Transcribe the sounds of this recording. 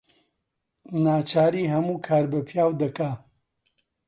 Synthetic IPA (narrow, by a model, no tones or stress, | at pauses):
naːt͡ʃaːɾiɦɐmuːkʰaːɾbɐpʰjaːwd̪ɐkaː